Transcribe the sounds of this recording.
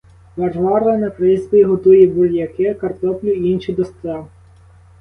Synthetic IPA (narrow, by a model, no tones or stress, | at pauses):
ʋɐrʋɑrɐnɐkɾɪzʲbʲiɦɔt̪ujɛburjɐkɪkɐrt̪ɔplʲʊiinʃid̪ɔst̪ɛ